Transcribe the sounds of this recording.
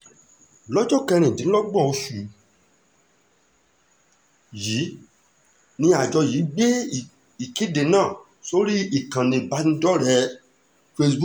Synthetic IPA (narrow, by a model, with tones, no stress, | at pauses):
lɔ˦d͡ʒɔ˦˨kɛ˧ɾ̃ĩ˨dĩ˨˦lɔ˦ɡ͡bɔ̃˦˨o˧ʃu˨ | ji˨˦ | nĩ˧a˨d͡ʒɔ˧ji˨˦ɡ͡be˦˨ | i˨ki˦de˨nãː˦˨ | so˦ɾi˦i˦˨kã˨nĩ˧˨ba˨˦nĩ˧˦dɔ˦ɾɛ˨˦ | fe˧sbu˦